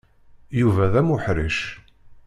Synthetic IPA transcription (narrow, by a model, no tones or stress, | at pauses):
juvæðæmʊħɾiʃ